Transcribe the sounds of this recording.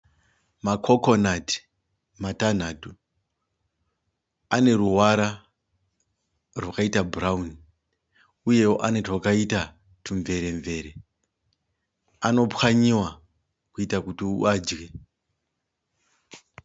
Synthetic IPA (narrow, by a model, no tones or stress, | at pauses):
makʰokonati̥ | matan̤atu | ane̞ɾuɦwaɾa | rwakaitabrauni | uje̞woʔanetwakaita | tʰuɱve̞ɾe̞ɱve̞ɾe | ano̞pxaɲiwa | kuitakutiuad͡ʒɡe